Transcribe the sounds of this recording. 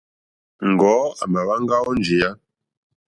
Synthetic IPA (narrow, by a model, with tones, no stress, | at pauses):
ŋ˨ɡɔː˨˦a̰˨ma˨βa˦ŋɡa˦wɔ˦nd͡ʒi˨ja˦